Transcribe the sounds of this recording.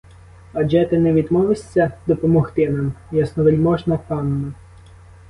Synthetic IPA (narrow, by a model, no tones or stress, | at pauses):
ɐd͡ʒɛt̪ɪnɛʋʲid̪mɔʋɪsʲːɐd̪ɔpɔmɔxt̪ɪnɑmjasnɔʋelʲmɔʒnɐkɑnːɐ